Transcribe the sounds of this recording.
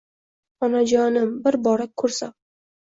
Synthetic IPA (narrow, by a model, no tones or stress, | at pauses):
ɒnad͡ʒɒnɪmbɪɾbɒɾak̚ʲkʰːɵɾsa